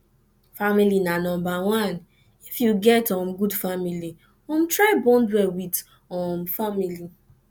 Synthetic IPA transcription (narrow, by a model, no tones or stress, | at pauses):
familinanɔ̃mbawãn | ifjuɡɛtɔ̃mɡudfamili | ɔ̃mtɹaɪbɔ̃ndwɛwit | ɔmfamili